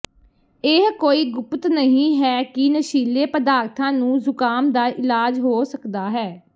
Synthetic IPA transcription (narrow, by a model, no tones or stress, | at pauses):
eɦkoːiːɡʊpt̪nəɦĩːɦɛːkɪnəʃiːleːpəd̪aːɾt̪ʰãːnũːzʊkaːmd̪aːʔɪlaːd͡ʒɦoːsəkd̪aːɦɛː